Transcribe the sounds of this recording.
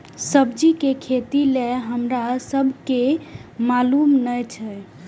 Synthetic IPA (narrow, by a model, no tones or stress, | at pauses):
səbd͡ʒikekʰet̪ileɦəmɾasəbʱkemalumnəjt͡ʃʰɛ